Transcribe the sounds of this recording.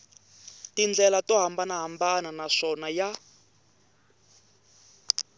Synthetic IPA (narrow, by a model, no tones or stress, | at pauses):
tind͡ɮɛlatɔɦambanaɦambananaʂɔnaja